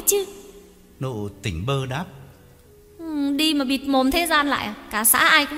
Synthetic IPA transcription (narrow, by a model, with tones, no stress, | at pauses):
t͡ɕɨ˧˦ | no̰˧˨t̪ï˧˩ŋ̟ɓəː˧ɗaː˦˥p̚ | ʔɗi˧maː˨˩ɓi˨˩t̚mo˨˩nt̪ʰe˨˦zaː˧nla̰ː˧˨jʔaː˨˩kaː˧˩sa̰ː˧˥ʔaː˧jkʊ̰˧˥ŋ͡m